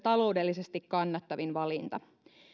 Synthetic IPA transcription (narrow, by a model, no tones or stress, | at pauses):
t̪ɑlo̞wde̞lːisest̪ikkɑnːɑt̪ːɑʋinʋɑlint̪ɑ